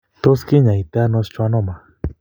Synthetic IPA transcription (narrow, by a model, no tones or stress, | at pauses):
t̪oskiɲajt̪anost͡ʃwanoma